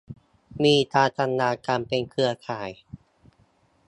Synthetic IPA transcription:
miː˧t̪aː˧t͡ɕa˧nːaː˧kaː˧mpe˧nkʰɯ˧ɐkʰaː˩˦j

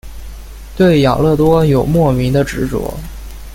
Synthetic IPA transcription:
t̪we˥˩ɪjɑ˨˩lɤ˥˩t̪wɔ˥jo˨˩ʊmwɔ˥˩mi˧˥ŋd̪ə˧ʈ͡ʂɻ̩˧˥t͡swɔ̰˧˥˦

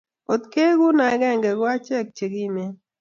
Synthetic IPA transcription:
o˨t̪ke˦ɡʊ˦na˨˦ɡɛ˦˨ŋɡɛ˨ɡʊ˦a˦t͡ʃɛ˦˨k̚t͡ʃe˨ɡi˦ne˦

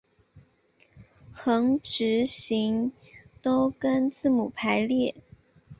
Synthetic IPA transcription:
xɤ˧˥ŋʈ͡ʂɻ̩˧˥ɕi˧˥ŋ | t̪o˥ʊkə˥nt͡sɹ̩˥˩mu˨˩pʰa˧˥ɪljɛ˥˩

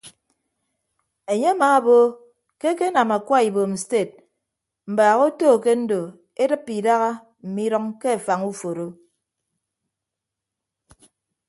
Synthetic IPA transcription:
e˨ɲe˦a˦maː˨˦a˦bo˦ | ke˦ke˦na˨ma˨kʷa˦i˨bo˨n̩˨ste˦˨t̚ | m̩˨baː˨ɣo˦toː˦˨ke˦n̩˦do˨ | e˦dɨ˦pːi˨da˦ɣa˦ | m̩˨mi˦ɾɔ˦ŋke˦a˨fa˨ŋu˦fo˨ɾo˦

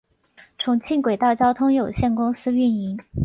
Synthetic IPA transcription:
ʈ͡ʂʰʊ˧˥ŋt͡ɕʰi˥˩nkwe˨˩ɪt̪ɑ˥˩t͡ɕjɑ˥ʊt̪ʰʊ˥ŋjo˨˩ʊɕjɛ˥˩nkʊ˥ŋsɹ̩˥y˥˩ni˧˥ŋ

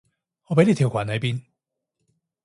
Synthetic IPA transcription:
ŋɔ˨˧pe˧˥ne˨˧jt̪ʰi˨˩wkʰa̰ː˨˩nlɐ˨˥jpiː˥n

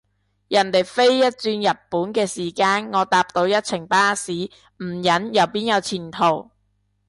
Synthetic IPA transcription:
jɐ˨˩nt̪e˨˩jfe˥jːɐ˥t̚t͡syː˧njɐ˨t̚puː˨˥nkɛː˧siː˨˩kaː˧nŋɔː˨˧t̪aː˧p̚t̪o˧wjɐ˥t̚t͡sʰɪ˨˩ŋpaː˥siː˨˥ | m̩˨˩jɐ˨˥njɐ˨˩wpiː˥njɐ˨˧wt͡sʰiː˨˩nt̪ʰo˨˩w

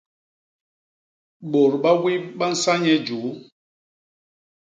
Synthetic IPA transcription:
ɓo˨ɾɓa˦wi˦ɓa˦n̩˦sa˦ɲɛ˦d͡ʒu˨˦

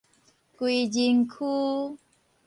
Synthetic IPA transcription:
kwi˧˨d͡ʒi˧ŋkʰu˦

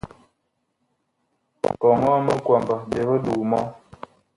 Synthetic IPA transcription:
kɔ˨ŋɔ˦mə˦kwa˨mba˨be˨bə˦du˨mɔ˦

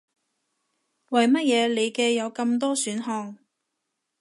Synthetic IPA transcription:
wɐ˨jmɐ˥t̚jɛː˨˧le˨˧jkɛː˧jɐ˨˧wkɐ˧mt̪ɔː˥syː˨˥nɦɔː˧ŋ

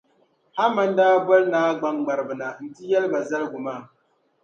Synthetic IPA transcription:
a˦ma˦n˦daː˦ba˦lnaː˦ɡ͡ba˨mɡ͡ba˨ɾɨ˨bɨ˨na˨n̩˨ti˦jɛ˦lba˨za˦lɨ˦ɡʊ˨maː˦˨

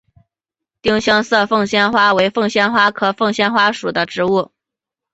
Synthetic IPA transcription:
t̪i˥ŋɕjɑ˥ŋsɤ˥˧fɤ˥˧ŋɕjɛ˥nxwa˥we˧˥ɪfɤ˥˧ŋɕjɛ˥nxwa˥kʰɤ˨˩fɤ˥˩ŋɕjɛ˥nxwa˥ʂu˨˩d̪ə˦ʈ͡ʂɻ̩˧˥u˥˩

